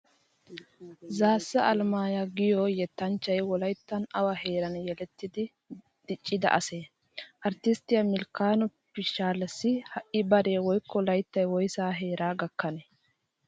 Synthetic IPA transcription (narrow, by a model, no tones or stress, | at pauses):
zaːsːɐʔɐlmaːjɐɡɪjɔjɛt̪ːɐnt͡ʃːɐjwɔlɐjt̪ːɐnɐwɐheːɾɐnjɛlɛt̪ːɪd̪ɪ | d̪̥ɪt͡ʃʼːɪd̪ɐ̰ʔɐseː | ʔɐɾt̪ɪst̪ɪjɐmɪlkaːnʊpːɪʃaːlːɐsːɪhɐʔɪbɐɾe̞ːwɔjkːɔlɐjt̪ːɐjwɔjsaːɦeːɾaːɡɐkːɐnɛ